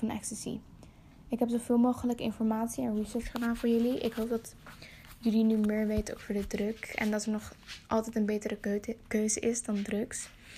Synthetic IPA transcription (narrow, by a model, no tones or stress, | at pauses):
ɑnɛ̰ksəsḭ | ɪkɦɛpsowv̥ɪːlˠmowχələkɪ̰nfɔɹmaːtsiɛnɹisəɹt͡ʃχədaːnvʊːɹjɵliʔɪ̰kɦowp̚dɑt | jɵlinymɪːɹʋejtəowkfʊːɹdədrɵkɛ̰ndɑtɛɹnɔχʔɑlˠtɛjtənbejtərəkøɥzəʔɪsdɑndrɵks